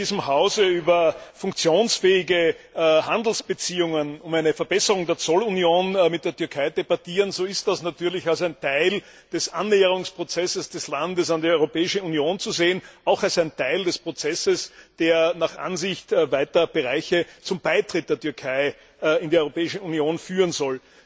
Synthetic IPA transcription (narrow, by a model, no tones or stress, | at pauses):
diːzəmhaʊzəyːbɐfʊŋkt͡sjoːnsfɛːɪɡəhãnd̪l̩sb̥ət͡siːʊŋənʊmæɪnəfɛɐb̥ɛsəʁʊŋdeːɐt͡sɔlunjoːnmɪt̚d̥eːɐtʏɐkʰaɪdebatiːʁənzoːɪst̚d̥asnatyːɐlɪçalsæɪntʰaɪl | d̥ɛsʔanːeːəʁ̞ʊŋspʁ̥ot͡sɛsəsd̥ɛslandəsandiœʏʁopɛːɪʃəunjoːnt͡suzeːənaʊxalsæɪntʰaɪldɛspʁ̥ot͡sɛsəsd̥eːɐnaχʔa̰nzɪçtːvaɪtɐb̥eʁaɪçət͡sʊmbaɪtʁ̥ɪt̚d̥eːɐtyɐkʰaɪ | ɪndiːɑœʏʁopɛːɪʃn̩unjoːnfyːʁənzɔl